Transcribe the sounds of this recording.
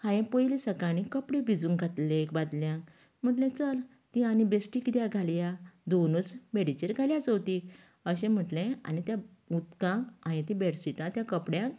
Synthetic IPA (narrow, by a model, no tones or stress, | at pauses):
hãjẽpəjlisəkaɽ̃ĩkəpɽẽbid͡zũŋɡʱat̪lekbad̪ljãk | m̤əʈlẽt͡səl | t̪ĩañibesʈikd̪jaɡʱaljad̪onut͡sbeɽit͡ɕeɾɡʱaljat͡səwt̪ik | əɕẽm̤əʈlẽa̰ñit̪ja | ut̪kãkañĩt̪ĩbeɽsiʈãt̪jãkəpɽjãk̚